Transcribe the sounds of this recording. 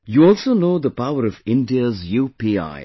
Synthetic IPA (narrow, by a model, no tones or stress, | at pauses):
juɔlˠsoːnoʊd̪əpaʊəɾʌvɪ̃ndiəzjuːpia̰ɪ